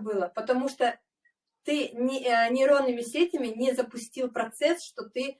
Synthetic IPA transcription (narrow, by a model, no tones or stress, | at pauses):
bɨlˠəpət̪ɐmuʂt̪o | t̪ɨnʲɪnʲɪɾo̞nːɨmʲɪsʲetʲɪmʲɪnʲɪzəpʊsʲtʲilˠpɾɐt̪sɛsʂt̪ot̪ɨ